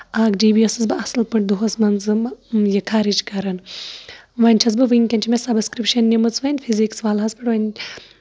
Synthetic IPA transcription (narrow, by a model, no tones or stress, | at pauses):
aːɡd͡ʒiːbijɐsɨzbɨɐsɨlpɨʈ̚d̪uɦɐsmɐnt͡sɨjɐkʰaːɾit͡ʃkɐɾɐn | ʋɐnʲt͡ʃʰɐzbɨʋɨŋkʲɐnʲt͡ʃʰimʲesɐbskɾipʃɐnːimɨt͡sʋɐnʲfʰiziksʋaːlɦɐspɨʈʋɐnʲ